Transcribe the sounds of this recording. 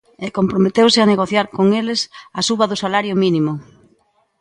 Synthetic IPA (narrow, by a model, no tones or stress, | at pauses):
ɛkompɾomet̪ewsɪaneɣoθjaɾkoŋelɪsɐsuβɐðʊsalaɾjʊminimʊ